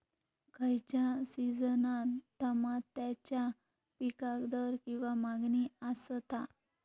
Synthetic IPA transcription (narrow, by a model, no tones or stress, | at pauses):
kʰəjt͡ɕjasid͡zənat̪ːəmat̪ːat͡ɕja | pikakd̪əɾkĩw̃ʋamaɡniəst̪a